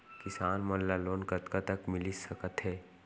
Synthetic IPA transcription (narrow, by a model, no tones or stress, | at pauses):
kɪsaːnmɐnlaloːnkɐt̪kat̪ɐkmɪlisɐkət̪ɦɛː